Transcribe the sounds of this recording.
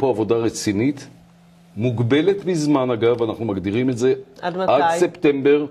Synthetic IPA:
poavo̞d̪aʁet͡sinit̪ | muɡbe̞letbizmanaɡavanaχnumaɡd̪iʁimetze̞dadseptembe̞ʁ

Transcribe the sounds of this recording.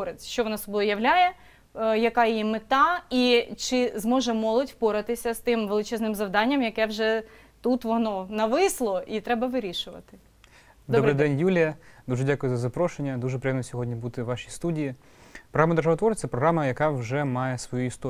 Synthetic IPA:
ɔɾet͡sʲʃt͡ʃɔʋɔnɑsɔbɔjjɐʋlʲajɛ | jɐkɑjimɪt̪ɑit͡ʃɪzmɔʒɛmɔlˠɔdʲwpɔɾɐt̪ɪsʲɐst̪ɪmʋelˠɪt͡ʃɛznɪmzɐʋd̪ɑnʲːɐmjɐkɛwʒɛ | t̪ut̪ʋɔnɔnɐʋɪslˠɔʔit̪ɾɛbɐʋɪɾʲiʃʊʋɐ̰t̪ɪ | d̪ɔbɾɪjd̪ɛnʲjulʲijɐd̪uʒɛdʲakʊjʊzɐzɐpɾɔʃenʲːɐd̪uʒɛpɾʲejɛmnɔsʲɔɦɔdʲnʲibut̪ɪʋɑʃist̪udʲiji | pɾɔɦɾamɐd̪erʒaʋɐt̪ʋɔɾʲɛpɾɔɦɾamɐjɐkɑwʒɛmɑjɛsʋɔjuist̪ɔ

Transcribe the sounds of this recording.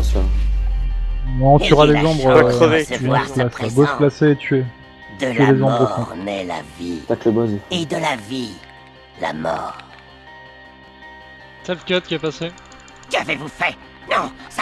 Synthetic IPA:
sa | mwaɔ̃t̪yʁalezɔ̃bʁaəveɔ̃splasabosplaseːt̪ʰɥe | td̪ɥelezɔ̃bʁəkɔ̃mɛla̰vit̪aklebwazied̪əlavi | la̰mɔ̰ʁ | sɛvkʲɔt̪̚kʲiapase | kavevufɛ | nɔ̃

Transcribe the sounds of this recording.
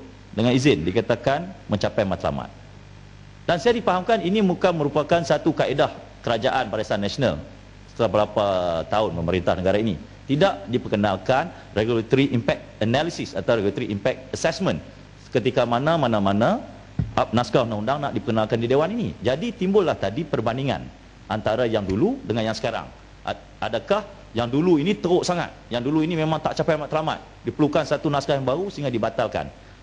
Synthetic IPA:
dəŋanizɪndikat̪akanmə̃ɲt͡ʃapajmat̪la̰ma̰t̪̚ | d̥ansajadifaɦamkaninimukanməɾupakansat̪ukaedah | kəɾad͡ʒaʔanpaɾajsanːasona̰l | sə̥t̪əlahbəɾapat̪aʊnpəməɾint̪ahnəɡaɾaini | t̪idaʔdipəkənalkan | reɡulat̪ɾiʔimpɛk̚t̪̚ənalisisat̪awɾeɡulat̪ɾiʔimpɛk̚t̪əsɛsmə̃n | kət̪ikamanãmanãmanã | ʔap̚naskaundaundaŋnaʔdipəkənalkandidewaninḭd͡ʒadit̪imbʊlːaht̪adipərbandiŋa̰n | ʔant̪aɾajaŋduludəŋanjaŋsə̥kaɾa̰ŋ | ʔa̰dakah | jaŋduluinĩt̪əɣoʔsaŋa̰t̪̚jaŋduluinimẽmãŋt̪aʔt͡ʃapajamat̪slama̰t̪̚ | dipəlukansat̪unaskajaŋbaɣusəiŋɡadibat̪alka̰n

